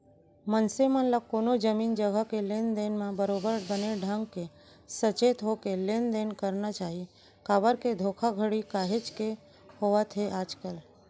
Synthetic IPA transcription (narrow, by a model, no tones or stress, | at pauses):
mənsemənləkːoːnod͡ʒəmiːnd͡ʒəɡʱəkeleːnd̪eːnmãbəɾoːbəɾbəneɖʱə̃ŋɡke | sət͡ʃeːt̪ɦokeleːnd̪eːnkəɾnat͡ʃaːɦi | kaːbəɾked̪ʱoːkʰaɡʱəɽikaːɦet͡ʃke | hoʋat̪ʰeʔaːd͡ʒkəl